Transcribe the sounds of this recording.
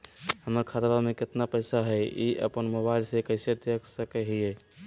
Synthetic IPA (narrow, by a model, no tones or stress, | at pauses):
həməɾkʰaɾʋamẽkɪt̪napəɪsaɦɛiʔə̰pənmobaɪlsekəɪset̪jəksəkeɦie